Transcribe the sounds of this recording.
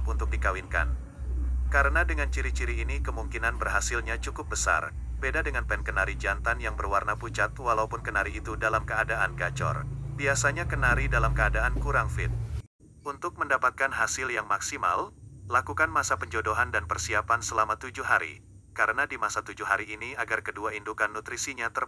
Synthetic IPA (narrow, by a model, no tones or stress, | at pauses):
punt̪ʊk̚dikawɪnka̰n | kaɾənadəŋant͡ʃiɾit͡ʃiɾiːnikəmuŋkinanbərɦasɪlɲat͡ʃukʊp̚bəsa̰rbedadəŋanpɛnkənaɾid͡ʒant̪anjaŋbərwarnaput͡ʃat̪walaupʊnkənaɾiːt̪udalamkəadaʔanɡat͡ʃɔ̰rbiasaɲakənaɾidalamkəadaʔankuɾaŋfɪt̪̚ | unt̪ʊk̚məndapat̪̚kanɦasɪljaŋmaksima̰llakukanmasapəɲd͡ʒodoɦandanpərsiapansəlamat̪ud͡ʒʊhaɾḭ | kaɾənadimasat̪ud͡ʒuhɦaɾiːniaɡarkəduaindukanːut̪ɾisiɲat̪ər